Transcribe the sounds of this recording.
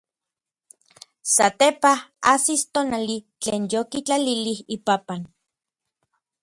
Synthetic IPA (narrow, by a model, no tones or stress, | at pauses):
sat̪epahasist̪onalit͡ɬeːnjokit͡ɬalilihipapan